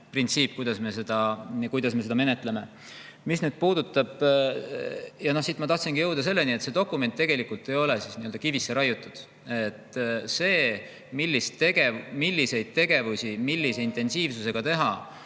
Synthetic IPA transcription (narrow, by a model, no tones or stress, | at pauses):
print̪siːp̚kujd̪̥ɑsme̞se̞d̪̥ɑkujd̪̥ɑsme̞se̞d̪ɑme̞ne̞t̪ˑle̞me̞ | misned̪̚puːd̪ut̪ːˑɑb̥ | jɑno̞hsit̪mɑt̪ɑht̪sinɡ̥ijɤ̞wd̪̥ɑse̞lːeniet̪se̞d̪o̞kːˑume̞nt̪ːe̞ɡ̥e̞likult̪ːˑe̞jo̞le̞sisniøld̥̪ɑkivisːeɾɑjut̪ːˑud̪̥ | et̪ːˑse̞ː | milːist̪ːe̞ɡe̞milːise̞jd̪̥̚t̪e̞ɡe̞vusʲimilːise̞int̪ˑe̞nsiːvsuse̞ɡ̥ɑt̪e̞ɦɑ